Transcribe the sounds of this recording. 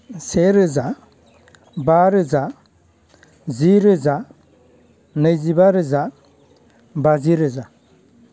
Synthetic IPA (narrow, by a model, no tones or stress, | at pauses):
seɾɯza | baɾɯza | ziɾɯza | nɯjzibaɾɯza | baziɾɯza